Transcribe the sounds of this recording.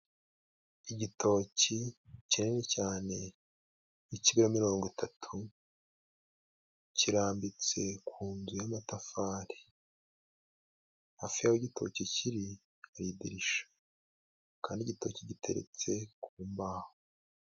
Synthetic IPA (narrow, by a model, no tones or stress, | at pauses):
iɟitʰo̞ːcicinenecaːne̞ | niciɡiɾomiɾo̞ːŋɡitʰatʰu | ciɾaːmbit͡se̞kuːnzujamatafaːɾi̥ | afijaweɟitʰo̞̰ciciɾi | aɾidiɾiʃḁ | kaːndiɟito̞̰ciɟitʰe̞̰ɾḛt͡se̞kuːmbaːho